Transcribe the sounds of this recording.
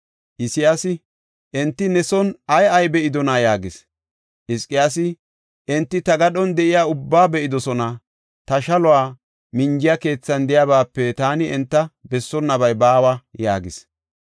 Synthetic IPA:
ʔɪsɪjasɪ | ʔɛnt̪ːɪnɛsɔnɐjɐjbɛʔɪd̪ɔnajaːɡɪs | ʔɪskʼːɪjaːsɪ | ʔɛnt̪ːɪt̪ɐɡɐɗɔnd̪ɛʔɪjaːʊbːaːbɛʔɪd̪ɔsɔnɐ | t̪ɐʃɐlɔwaː | mɪnd͡ʒɪjɐke̞ːt͡sːɐnd̪ɪjaβaːpːɛt̪aːnɪɛnt̪ːɐbɛsːɔnːɐbɐjbaːwɐja̰ːɡɪs

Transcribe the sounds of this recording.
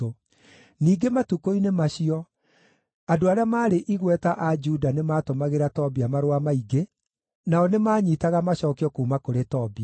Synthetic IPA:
o | niːɡematukoinemaɕiɔ | adoaɾeamaːɾeʔiɣwɛtaʔad͡ʒudanemaːtomaɣeɾatɔbiamaɾwamaiɡe | naɔnemaːɲiːtaɣamaɕɔːkeɔkuːmakoɾetɔbi

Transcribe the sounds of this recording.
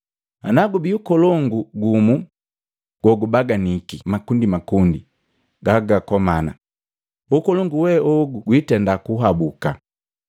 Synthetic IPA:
anaɡubiukɔlɔŋɡuɡumu | ɡ̥wɔɡubaɡanikimakundimakundi | ɡaɡakɔmana̰ | ukɔlɔŋɡuwɛʔɔɡuɡwitɛndakuɦabuka̰

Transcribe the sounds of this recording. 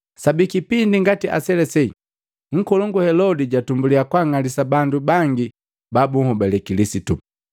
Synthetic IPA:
sabikipindiŋɡatiʔa̰sɛlɛsɛi | ŋ̩kɔlɔŋɡuhɛlɔdiɟatumbuliakwaŋalisabandubaŋɡi | babuŋhɔbɛlɛkilisitṵ

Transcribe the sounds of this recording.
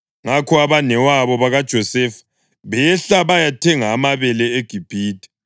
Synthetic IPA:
ŋakʰɔaβanɛwaβɔβaɣad̥ʒ̥ʱɔsɛfḁ | βɛɬaβajatʰɛŋaːmaβɛlɛeɡ̥ʱib̥ʱiːtʼi̥

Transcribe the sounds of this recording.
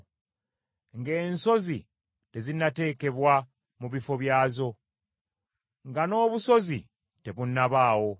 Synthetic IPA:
ŋɡe̞ːnso̞zi | te̞zinate̞ːke̞βwa | muβifo̞βjaːzo̞ | ŋɡano̞ːβuso̞zi | te̞βunːaβaːwo̞

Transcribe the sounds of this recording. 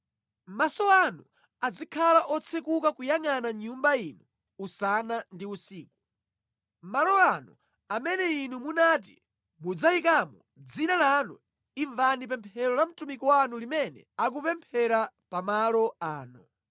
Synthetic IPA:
m̩masɔanu | ad͡zikʰalaʔɔt͡sʰekukakujaŋanaɲumbainuː | sanandiusiːku̥ | malɔanu | amɛnɛinumunaːt̬ḭ | mud͡zaikamṵ | d͡zinalanṵ | iɱvanip̬ɛmpʰɛɾɔlam̩tumikɔwanulimɛnɛ̰ak̬upɛmpʰɛɾa | pamalɔaːnu

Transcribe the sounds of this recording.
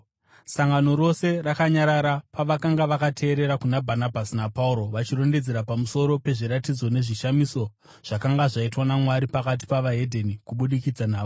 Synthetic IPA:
saŋɡano̞ɾo̞se̞rakaɲaɾaɾapaʋakaŋɡaʋakatʰe̞ːɾe̞ɾakunabʱanabʱasinapauɾo̞ʋat͡ʃiro̞nde̞d͡zeɾapamuso̞ɾo̞pe̞ʐiɾatid͡zo̞ne̞ʐiʃamiso̞ | ʐ̥akaŋɡaʐaitwanamwaɾipakat̬i̥paʋaɦe̞dʱenikuɓuɗikid͡zanaːo

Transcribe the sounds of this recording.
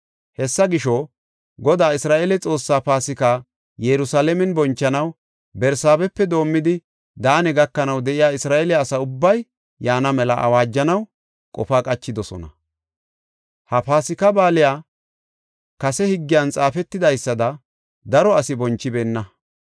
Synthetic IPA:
hɛsːɐɡɪʃɔ | ɡɔd̪aːɪsɾaːʔɛlɛt͡sʼo̞ːsːaːpaːsɪka | jɛɾʊsaːlɛmɛnbɔnt͡ʃːɐnɐw | bɛɾsaːbɛpːɛd̪o̞ːmːɪd̪ɪ | d̪aːnɛɡɐkːɐnɐwd̪ɛʔɪjaːɪsɾaːʔɛlɛːsɐʊbːɐj | jaːnɐmɛlɐʔɐ̰waːd͡ʒːɐnɐw | kʼɔ̰faːkʼɐt͡ʃːɪd̪ɔsɔ̰nɐ̰ | hɐpaːsɪkɐbaːlɪjaː | kɐsɛhɪɡːɪjant͡sʼaːfɛt̪ːɪd̪ɐjsːɐd̪ɐ | d̪ɐɾɔɐsɪbɔnt͡ʃːɪbeːnːɐ

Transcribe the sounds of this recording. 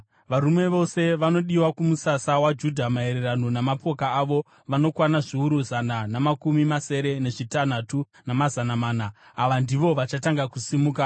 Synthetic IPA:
ʋaɾume̞ʋo̞se̞ʋano̞ɗiwakumusasawad͡ʒudʱamae̞ɾerano̞namapo̞kaːʋo̞ | ʋano̞kwanaʐiuɾuzananamakumimase̞ɾe̞ne̞ʐitan̤atu | namazanamaːnaːʋandiʋo̞ʋat͡ʃataŋɡakusimuːka

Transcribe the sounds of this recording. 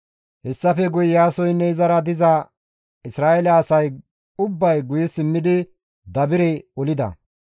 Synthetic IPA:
hɛsːɐfɛɡʊjɪjaːsɔjnːɛɪzɐɾɐd̪ɪzɐ | ɪsɾaːʔɛlɐːsɐj | ʊbːɐjɡʊjɪsɪmːɪd̪ɪ | d̪ɐbɪɾɛɔlɪd̪ɐ̰

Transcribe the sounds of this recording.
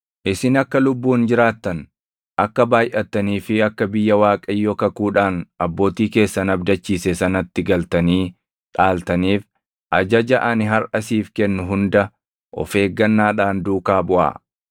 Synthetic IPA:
ʔɪsɪnɐkːɐlʊbːuːnd͡ʒɪɾaːt̪ːɐn | ʔɐkːɐbaːjʔɐt̪ːɐniːfɪɐkːɐbɪjːɐwaːkʼɐjːɔkɐkuːᶑaːnʔɐbːo̞ːt̪iːke̞ːsːɐnɐbd̪ɐt͡ʃːiːsɛsɐnɐt̪ːɪɡɐlt̪ɐniː | ᶑaːlt̪ɐniːf | ʔɐd͡ʒɐd͡ʒɐʔɐnɪɦɐɾʔɐsiːfkɛnːʊɦʊnd̪ɐ | ʔɔ̰fe̞ːɡːɐnːaːᶑaːnd̪uːkaːbʊʔa̰ː

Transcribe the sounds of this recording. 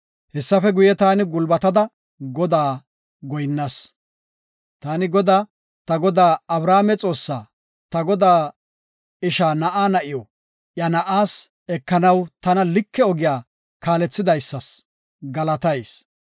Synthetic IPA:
hɛsːɐfɛɡʊjɛt̪aːnɪɡʊlbɐt̪ɐd̪ɐ | ɡɔd̪aː | ɡɔjnːɐs | t̪aːnɪɡɔd̪aː | t̪ɐɡɔd̪aːɐbɾaːmɛt͡sʼo̞ːsːaː | t̪ɐɡɔd̪aː | ɪʃaːnɐʔaːnɐʔɪjɔ | ʔjɐnɐʔaːs | ɛkːɐnɐwt̪ɐnɐlɪkːɛɔɡɪjaː | kaːlɛt͡sːɪd̪ɐjsːɐs | ɡɐlɐt̪ɐjs

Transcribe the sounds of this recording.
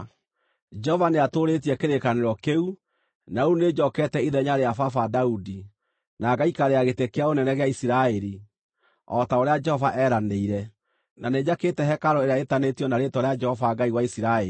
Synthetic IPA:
d͡ʒɛɔvaneatoɾet̬iɛkeɾekaneɾɔkeu | nauned͡ʒɔkɛtɛiðɛɲaɾeafafadaudi | naɡaikaɾeaɣetekeaonɛnɛɣeaisiɾaɛɾi | ɔtaoɾead͡ʒɛhɔvaʔɛɾaneiɾɛ | naned͡ʑaketɛɦɛkaɾɔeɾeaetanetijɔnaɾetɔɾead͡ʒɛhɔvaɡaiwaisiɾaɛ

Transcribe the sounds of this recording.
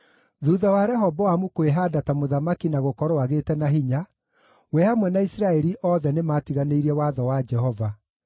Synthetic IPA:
ðuːðawaɾɛɦɔbɔwamukoeɦadatamoðamakinaɣokɔɾoaɣetɛnaɦiɲa | wɛhamwɛnaisɾaɛɾiʔɔːðɛnemaːtiɣaneiɾɛwaðɔwad͡ʒɛɦɔva

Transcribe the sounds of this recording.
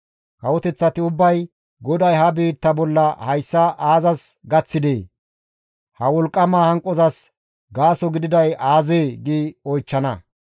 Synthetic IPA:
kɐwɔt̪ɛt͡sːɐt̪ɪʊbːɐj | ɡɔd̪ɐjɦɐbiːt̪ːɐbɔlːɐhɐjsːɐʔaːzɐsɡɐt͡sːɪd̪eː | hɐwɔlkʼːɐmaːhɐŋkʼːɔzɐs | ɡaːsɔɡɪd̪ɪd̪ɐjaːzeːɡiːɔjt͡ʃːɐnɐ

